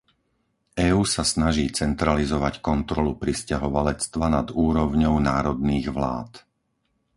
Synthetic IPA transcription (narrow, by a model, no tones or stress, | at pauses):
ɛːuːsasnaʒiːt͡sɛnt̪ɾalizɔʋackɔnt̪ɾɔlupɾiscaɦɔʋalɛt͡st̪ʋanad̪uːɾɔʊɲɔʊnaːɾɔd̪niːɣʋla̰ːt̪